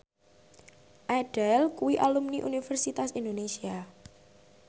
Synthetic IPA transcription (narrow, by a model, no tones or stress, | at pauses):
ʔaɖ̥ɛlkuwiʔalumniʔunifɛrsit̪asind̪onesia